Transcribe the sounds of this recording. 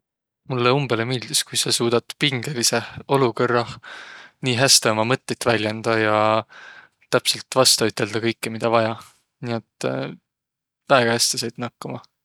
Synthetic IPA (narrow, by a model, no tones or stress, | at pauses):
mulːeumb̥e̞lemiːld̪̥iskujsesuːd̪̥ɑt̪ːˑpiŋɡe̞lise̞o̞lukɤrːɑ | niːɦæst̪eomɑmɤt̪ːet̪ːˑvælʲjɑnd̪̥ɑjɑ | t̪æpse̞lt̪ːvɑst̪ɑyt̪ːˑe̞ld̪̥ɑkɤjkːemid̪ɑvɑjɑ | niet̪ːˑ | væeɡ̥ɑhæst̪esejd̪̥nɑkːɑmɑ